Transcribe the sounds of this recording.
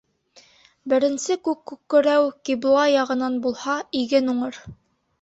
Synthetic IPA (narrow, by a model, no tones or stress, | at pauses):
bɘ̆ɾɘ̆nsɘkʉkːʉkːɘ̆ɾæwkiblˠɑjɑʁɤ̆nɑnbulˠhɑiɡɘnuɴɤɾ